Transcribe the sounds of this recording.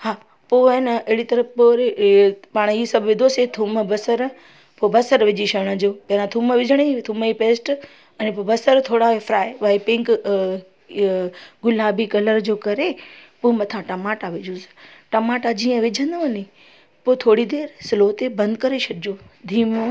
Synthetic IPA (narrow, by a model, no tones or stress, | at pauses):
haː | poːenɐɐɦɪɽit̪ɐɾəfpoːɾepaːɽ̃isɐbʱʋɪd̪ʱoset̪ʰumbɐsəɾ | pobɐsəɾʋɪd͡ʑiʃɐɽ̃əd͡ʑoːpɐɾãt̪ʰuːməʋɪd͡ʒʱəɽ̃et̪ʰuməipeːsʈ | ɛ̃ːnẽpoːbɐsəɾt̪ʰoːɽaefʰɾaːeʋaipɪ̃ŋk | ɡʊlaːbikɐləɾd͡ʑoːkɐɾepoːmɐt̪ʰãʈɐmaːʈaʋɪd͡ʑʱusʈɐmaːʈad͡ʑiːə̃ʋɪd͡ʑʱə̃nd̪əʋɐni | poːt̪ʰoːɽid̪eːɾsɪloːt̪ebɐ̃nd̪kɐɾeʃʰɐɽɪd͡ʑoːd̪ʱiːmo